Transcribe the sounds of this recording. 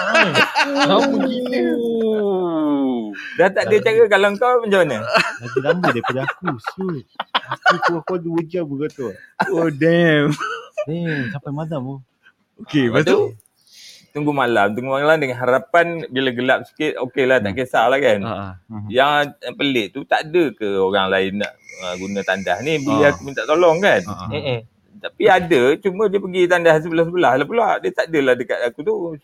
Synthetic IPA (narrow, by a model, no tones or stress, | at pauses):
a | auɡii | daht̪aʔdiat͡ʃaɡakalaəŋkawpəɲd͡ʒawanɲəlaɡilambədajpadaakusuakutuakad̪uwud͡ʒabəɡat̪uodɛmdɛmt͡ʃampajmalamo | okebast̪u | t̪əŋɡumalamt̪əŋɡumalamdəŋanɦaɾapanbilaɡəlap̚si̥kɪt̪̚okelaht̪a̰ʔkəsalahkanjaŋpəlɪʔt̪ut̪adəkəoɾaŋlaɪnːa̰ʔəɡunat̪andahnibileɦakumint̪aʔt̪olɔŋkan | t̪apiadət͡ʃumə̃diəpəɡit̪andahs̬əbəlahs̬əbəlahlapəlaʔdiət̪aʔdəlahdəka̰t̪akut̪u